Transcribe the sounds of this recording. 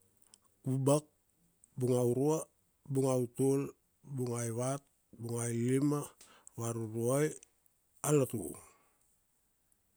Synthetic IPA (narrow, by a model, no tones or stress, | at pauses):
kubak̚ | buŋawɾua | buŋautol | buŋajβat̚ | buŋajlima | βaɾuɾuaj | alatṵ